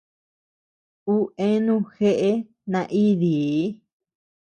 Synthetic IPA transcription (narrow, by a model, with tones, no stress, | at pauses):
u˦ẽ˦nũ˦˧xe˦ʔe˦ | nã˧ʔi˦ði˨˦